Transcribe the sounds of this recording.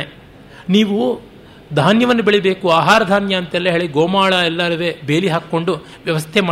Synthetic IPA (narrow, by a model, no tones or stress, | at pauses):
niːʋu | d̪ʱaːnjɐʋɐnːubeɭibe̞ːkuaːɦaːɾɐd̪ʱaːnjɐːnt̪ɛlːɐɦeːɭiɡoːmaːɭɐɛlːaɾɐʋebeːliɦaːkːo̞ɳɖu | ʋjɐʋɐst̪ʰemaː